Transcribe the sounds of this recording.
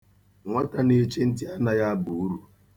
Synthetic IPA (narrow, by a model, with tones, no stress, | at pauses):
ŋʷa˦ta˨ne˨˦t͡ʃe˦n̩˦tɪ˦a˦na˨ja˦a˦bu˨u˦ɾu˨